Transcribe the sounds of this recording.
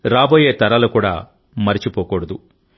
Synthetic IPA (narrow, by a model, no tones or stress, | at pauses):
ɾaːboːjeːt̪ɐɾɐlukuːɽa̰ː | mɐɾit͡ʃipoːkoɽɐd̪u